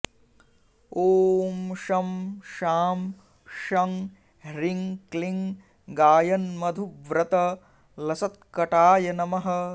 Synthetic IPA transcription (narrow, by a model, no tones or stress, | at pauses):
oːmʃɐmʃaːm | ʃɐŋ | ɾiŋkliŋ | ɡaːjɐnmɐd̪ʱuʋɾɐt̪ɐ | lɐsɐt̪̚kɐʈaːjɐnɐmɐɦɐ̆